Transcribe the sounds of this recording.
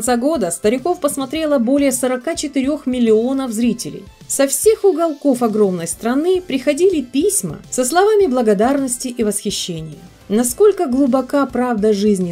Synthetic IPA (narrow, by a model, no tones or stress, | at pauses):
nt̪saɡo̞d̪əst̪əɾʲɪko̞fpəsmɐt̪ɾʲe̞lˠəbo̞lʲɪjəsəɾɐkat͡ɕɪt̪ɪɾʲo̞xmʲɪlʲːɪo̞nəfzɾʲitʲɪlʲɪ̰j | sɐfsʲe̞xʊɡɐlˠko̞fɐɡɾo̞mnəjst̪ɾɐnɨpɾʲɪxɐdʲilʲɪpʲisʲmə̰səslˠɐvamʲɪblˠəɡɐd̪arnəsʲtʲɪʔivəsxʲɪɕːenʲɪjə | nɐsko̞lʲkəɡlˠʊbɐkapɾavd̪əʐɨzʲnʲɪ